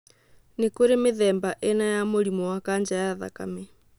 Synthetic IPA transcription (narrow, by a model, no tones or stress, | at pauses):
nekoɾemeðɛːmbaʔenajamoɾimɔwakaɲd͡ʒajaða̰kamɛ